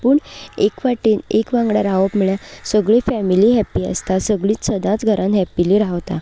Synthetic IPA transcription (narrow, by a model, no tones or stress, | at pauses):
puːɳekʋaʈiːnekʋãŋɡɽaɾaʋəpmɭjasəɡɭifɛmiliɦɛpiə̰st̪asəɡɭiːt͡ssəd̪ãt͡sɡʱəɾʔãnɦɛpːiliɾaɦʋt̪a̰